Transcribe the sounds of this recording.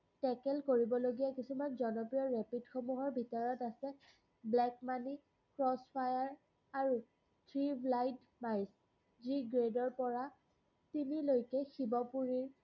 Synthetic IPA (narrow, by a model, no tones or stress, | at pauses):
tɛkɛlkoɹibɔloɡijakisumanzɔnɔpɹijɔɹɛpidxomuɦɔɹbʱitɔɹɔtasɛ | blɛkmani | kɹɔspʰajaɹ | aɹu | tʰɹiblajd | majs | ziɡɹedɔɹpɔɹa | tinilojkɛxibɔpuɹiɹ